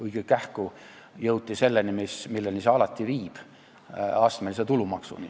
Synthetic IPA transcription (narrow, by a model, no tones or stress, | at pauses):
ujkekːæhku | jɤwt̪ʲːise̞lːenimismilːeniseɑlɑt̪ːˑiviːb̥ | ɑst̪meliset̪ulumɑksṵni